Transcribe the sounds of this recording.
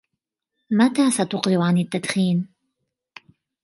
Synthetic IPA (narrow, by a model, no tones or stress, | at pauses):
mat̪aːsat̪ʊqɾɪʔʕanɪt̪ːad̪xiːn